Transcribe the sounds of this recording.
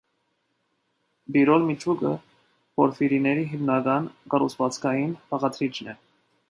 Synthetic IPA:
biɾɔlmit͡ʃʰukə | pɔɾfiɾinɛɾiɦimnɑɡɑnkɑrut͡sʰvɑt͡sʰkʰɑjinpʰɑʁɑt̪ʰɾit͡ʃʰnɛ

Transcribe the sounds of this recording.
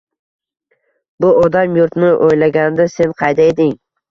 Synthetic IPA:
bʊɒd̪amjʊɾt̪nɪʔojlaɡʲand̪ase̞nqʰɑjd̪ae̞d̪ɪŋ

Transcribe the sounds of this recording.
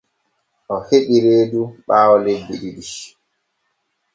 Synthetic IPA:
ʔɔheɓiɾeːduɓaːwɔlebːiɗiɗi

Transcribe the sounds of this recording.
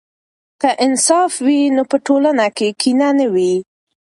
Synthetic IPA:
kəʔɪnsɑfwinopəʈolanakekinanəwi

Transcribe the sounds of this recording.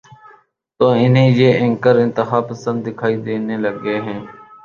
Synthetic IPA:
t̪oːɪnɦẽːjeːɪ̃ŋkəɾɪ̃nt̪ɪxaːpəsə̃nd̪ːɪkʰaːid̪eːneləɡeːɦɛ̃ː

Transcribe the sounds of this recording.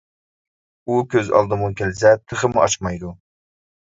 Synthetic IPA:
ukʲʰøzɑ̰lˠd̪ɨmukʲelɪsɛt̪ʰəχəmuɑt͡ʃmɑjd̪u

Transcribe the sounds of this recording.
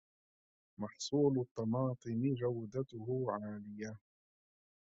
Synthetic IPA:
mɑħsˤuːlʊt̪ˤːɑmɑːt̪ˤɨmɪd͡ʒawd̪at̪ʊhʊʕaːlɪja

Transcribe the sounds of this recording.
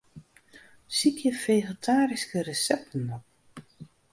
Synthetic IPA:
sikʰjəfejɣətʰaːɾiskərəsɛp̚tənɔp̚

